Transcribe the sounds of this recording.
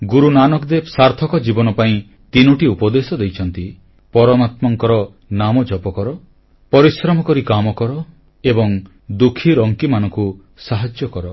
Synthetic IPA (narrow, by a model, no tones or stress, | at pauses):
ɡuɾunanɔkd̪esaɾt̪ʰɔkɔd͡ʒibɔnɔpaĩ | t̪inuʈiupɔd̪esɔd̪ejt͡ʃʰɔnt̪i | pɔɾɔmat̪mɔŋkɔɾɔ | namɔd͡ʒɔpɔkɔɾɔ | pɔɾisɾɔmɔkɔɾikamɔkɔɾɔ | ebɔŋ | d̪ukʰːiɾɔŋkimanɔŋku | saɦad͡ʒjɔkɔɾɔ